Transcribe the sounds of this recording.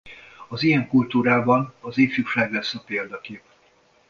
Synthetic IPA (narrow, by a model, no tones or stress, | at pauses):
ɒzijɛŋkult̪uːɾaːbɒnɒzeːfjukʃaːɡlɛsːɒpeːld̪ɒkeːp̚